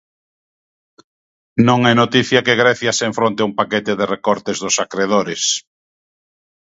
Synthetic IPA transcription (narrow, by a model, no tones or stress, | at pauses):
nõŋɛnot̪iθjɐkeɣɾɛθjɐseɱfɾõnt̪eumpakɛt̪ɪðerekɔɾt̪ɪzðʊsakɾeðoɾɪs